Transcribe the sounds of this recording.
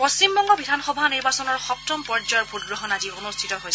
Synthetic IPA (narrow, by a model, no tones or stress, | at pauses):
post͡ʃimbɔŋɡɔbidʱanxɔbʱaniɹbasɔnɔɹxɔpp̚tɔmpɔɹd͡ʒɔjɔɹbʱut̚ɡɹɔɦɔnazionustʰitɔɦoj